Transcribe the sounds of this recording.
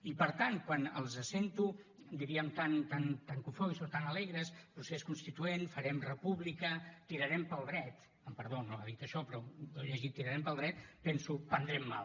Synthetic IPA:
ipəɾt̪ankwanəlˠzəsent̪u | d̪iɾiəmt̪ant̪ant̪aŋkufojsot̪anəlɛɣɾəspɾuseskunst̪it̪uenfəɾɛmrəpuβlikət̪iɾəɾɛmpəlˠd̪ɾɛt̪ | əmpəɾðonoaðit̪əʃɔpɾɔoʎəʒit̪ːiɾəɾɛmpəlˠd̪ɾɛt̪̚pɛnsupənd̪ɾɛmːa̰l

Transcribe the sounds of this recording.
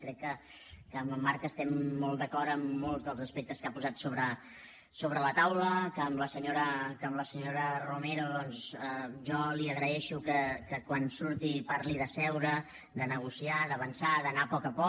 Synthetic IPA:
kɾɛkːə | kəːməmːaɾkəst̪ɛmːɔlˠt̪d̪əkɔɾəmːolˠzd̪əlˠzəspɛk̚t̪əskapuzat̪soβɾə | soβɾələt̪awləkəːmləsəɲoɾəkəmləsəɲoɾərumɛɾuðɔnzʒɔliəɣɾəɛʃukəkəkwansuɾt̪ipaɾliðəsɛwɾə | d̪ənəɣ̞usiaðəβənsaðənapɔkəpɔ

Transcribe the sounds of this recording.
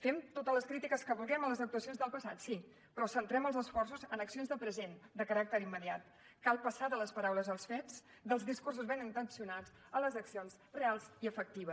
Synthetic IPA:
femt̪ot̪əzləskɾit̪ikəskəβulˠɡɛmələzək̚t̪uəsionzðəlˠpəsat̪si | pɾɔsənt̪ɾɛməlˠzəsfɔrsuzənəksionzðəpɾəzend̪əkəɾak̚t̪əɾimːəðiat̪̚ | kalˠpəsaðələspəɾawləzəlˠsfɛt͡s | d̪əlˠzðiskurs̬uzβɛnint̪ənsiunad͡z | ələzəksionz | realˠziəfək̚t̪iβ̞əs

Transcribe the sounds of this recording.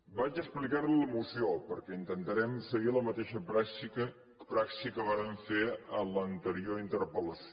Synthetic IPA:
bad͡ʒəsplikaɾliləmusiopəɾkɛint̪ənt̪əɾɛmsəɣiləmət̪eʃəpɾaiə | pɾaksikəβaɾəɱfeələnt̪əɾioɾint̪əɾpələs

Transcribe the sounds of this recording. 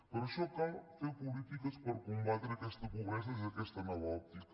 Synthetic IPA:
pəɾɐʃɔkalfewpulit̪ikəspəɾkumbat̪ɾeɐkɛst̪əkuɣɾɛsəsiɐkɛst̪ənɔvɐɔp̚t̪ikə

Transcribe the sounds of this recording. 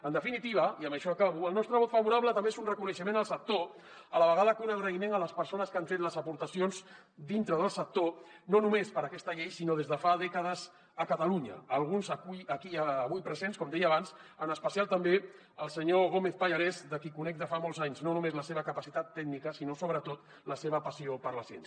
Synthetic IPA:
ənd̪əfinit̪iβ̞əiəmbəʃɔakaβuəlˠnɔst̪ɾəβɔt̪fɐβuɾaβlət̪əmbeezunrəkunəʃəmenəlˠsək̚t̪o | ələβəɣaðəkunəlˠɣɾəimenələspəɾsonəskaɱfet̪ləzəpuɾt̪əsionz | d̪int̪ɾəðəlˠsək̚t̪ononumespəɾəkɛst̪əʎejsinoðezðəfaðɛkəð̞əz | əkət̪əluɲə̰ːlˠɣunzəkujəkiəːβujpɾəzenskɔmd̪ɛjəːβansənəspəsialˠt̪əmbe | əlˠsəɲoɣomeθpəʎaɾɛzd̪əkikunɛk̚d̪əfamolˠzaɲznonumezləseβəkəpəsit̪at̪ːɛɡnikəsinosoβɾət̪ot̪ | ləseβəpəsiopəɾləsiɛ̰ns

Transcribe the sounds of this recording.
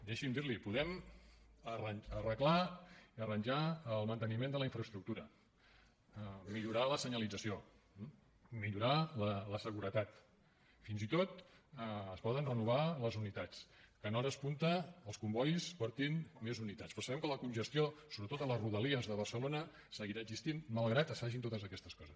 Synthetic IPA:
d̪ɛʃimd̪iɾlipuðɛm | ərənərəklaiərənʲʒaəlˠmənt̪ənimend̪ələiɱfɾəst̪ɾuk̚t̪uɾə | miʎuɾaləsəɲəlid͡zəsio | miʎuɾalələsəɣuɾət̪at̪ | finzit̪ot̪ | əspɔðənrənuβ̞aləzunit̪at͡skənɔɾəspunt̪əːlˠskumbɔʎspɔɾt̪inmezunit̪at͡sspəɾsəβɛmkələkunʲʒəst̪iosoβɾət̪ot̪ələzruðəliəzðəβ̞əɾsəlonə | səɣiɾaəɡzist̪inmalˠɣɾat̪əsfaʒint̪ot̪əzəkɛst̪əskɔzəs

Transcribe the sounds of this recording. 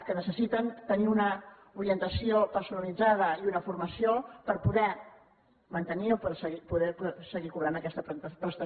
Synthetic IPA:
kənəsəsit̪ənt̪əniunə | uɾiənt̪əsiopəɾsunəlid͡zað̞əiunəfuɾməsiopəɾpuðɛ | mənt̪əniopsəɣipuðɛpsəɣikuβɾanəkɛst̪əp̪pɾəst̪ə

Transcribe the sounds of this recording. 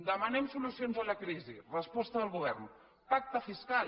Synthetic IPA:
d̪əmənɛmsulusionzələkɾizḭrəspɔst̪əðəlˠɣuβ̞ɛrn | pak̚t̪əfiskal

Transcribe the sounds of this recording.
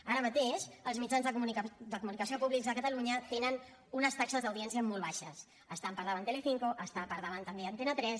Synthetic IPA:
aɾəmət̪eʃəlˠzmid͡ʒanzðd̪əkumunikəs̬iopuβlikzðəkət̪əluɲət̪enən | unəst̪aksəzðəwðiɛnsiəmɔlˠβaʃəs | əst̪ampəɾðaβant̪eleθiŋkoʔəst̪ampəɾðəβant̪əmbeaənt̪enət̪ɾɛs

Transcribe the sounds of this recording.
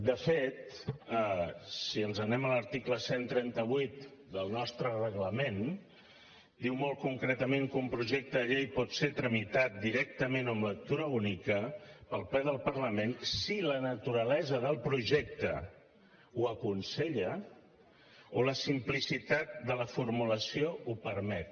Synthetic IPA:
d̪əfet̪ | siənzənɛmələɾt̪ikləsent̪ɾɛnt̪əβ̞uit̪d̪əlˠnɔst̪ɾərəɣləmen | d̪iwmɔlˠt̪kuŋkɾɛt̪əmẽŋkumpɾuʒɛk̚t̪əʎejpɔt̪seɾt̪ɾəmit̪at̪̚d̪iɾɛk̚t̪əmenəmlək̚t̪uɾəunikəpəlˠplɛðəlˠpəɾləmensilənət̪uɾəlɛzəðəlˠpɾuʒɛk̚t̪ə̰ | uəkunseʎə | oləsimplisit̪at̪̚d̪ələfurmuləsioupəɾmɛt̪̚

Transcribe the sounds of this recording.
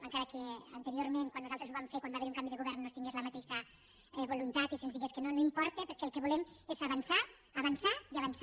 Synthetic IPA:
maŋkaɾakea̰nt̪eɾioɾmẽŋkwanːuzalˠt̪ɾezuβamfeɾkwambaβeɾuŋkambiðeɣuβɛɾnːost̪iŋɡezlamat̪eʃa | ɛβulunt̪at̪isenzðiɣeskenonoimpɔɾt̪epeɾkɛːlˠkeβulemezaβansa | aβansaiaβans

